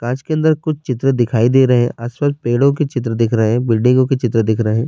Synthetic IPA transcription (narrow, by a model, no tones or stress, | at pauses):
kãːt͡ʃkeɐ̃nd̪əɾkʊt͡ʃʰt͡ʃɪt̪ɾəd̪ɪkʰaːid̪eːɾɐɦeɦɛ̰̃ʔaːswaːspeːɽõket͡ʃɪt̪̬ɾəd̪ɪkʰɾɐɦeɛ̃bɪlɖɪ̃ŋɡõket͡ʃɪt̪ɾəd̪ɪkʰɾɐɦeɦɛ̃ː